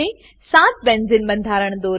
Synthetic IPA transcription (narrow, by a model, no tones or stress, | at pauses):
e | sãːt̪̚bẽːnzɪnbɐ̃nd̪ʱaːɾəɽ̃d̪oːɾ